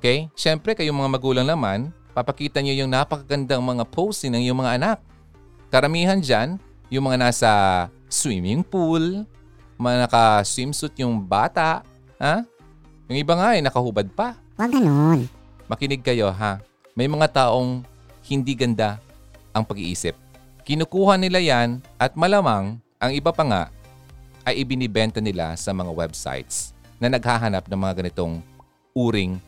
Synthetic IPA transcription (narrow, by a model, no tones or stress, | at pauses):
ʔokɛjʃɛmpɾɛkɐjʊŋmɐŋamɐɡuːlɐŋnɐman | pɐpɐkiːt̪ɐɲojʊŋnapɐkɐɡɐnd̪aŋmɐŋapʰowst̪ɪŋnɐŋjʊŋmɐŋaʔɐnak̚ | kɐɾɐmiːɦɐnd͡ʒan | jʊŋmɐŋanaːsɐ | swḭmɪŋpul | mɐŋanɐkɐswimsʊt̪̚ɲʊŋba̰ːt̪aʔ | ha | jʊŋʔɪbaŋaʔɪjnɐkɐhubɐd̪̚pɐ | waɡɐnon | mɐkɪnɪɡ̚kɐjo̞ɦa | mɐjmɐŋat̪aːʔo̞ŋ | hɪnd̪iɡɐnd̪a | ʔɐŋpɐɡɪʔḭːsɪp̚ | kɪnʊkuːhɐnɪlajanʔɐt̪̚mɐlamaŋ | ʔɐŋɪbapɐŋa̰ʔ | ʔɐjʔɪbɪnɪbɛnt̪ɐnɪla̰sɐmɐŋawɛbsa̰jt̪snɐnɐɡ̚haɦanap̚nɐŋmɐŋaɡɐnɪt̪o̞ŋ | ʔuːɾɪŋ